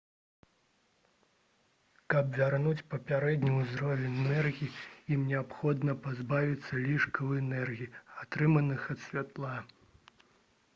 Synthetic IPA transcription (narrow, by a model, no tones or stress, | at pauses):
kɐpvʲarnut͡sʲpɐpʲaɾɛd̪ʲnʲuwzɾɔvʲɛnʲnɛrɣʲiiimnʲɛapxɔd̪nɐpazbavʲit̪sːɐlʲiʂkɐwɛnɛrɣʲiiat̪ɾɨmɐnɨxɐt̪sʲvʲat̪lˠa